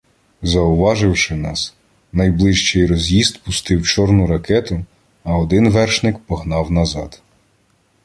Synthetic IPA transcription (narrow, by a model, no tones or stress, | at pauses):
zɐʊʋɑʒɪwʃɪnɑs | nɐjblˠɪʃt͡ʃɛjrɔzʲjizd̪pʊst̪ɪwt͡ʃɔrnʊɾɐkɛt̪ʊ | ɐɔd̪ɪnʋɛrʃnɪkpɔɦnɑwnɐzɑd̪̥